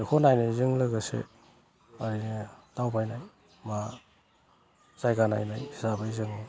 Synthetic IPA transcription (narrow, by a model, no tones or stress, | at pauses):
ikʰonajnazɯŋlɯɡɯsḛ | aɾintawpʰajnaj | ma | zajɡana̰jnajhi̥sabaizɯŋna